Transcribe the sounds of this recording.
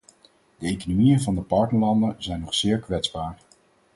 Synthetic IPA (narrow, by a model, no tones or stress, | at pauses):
dəejkonomijənvɑndəpɑɹtnəɹlɑndənzɛjnɔχsɪːɹkʋɛtzbaːɹ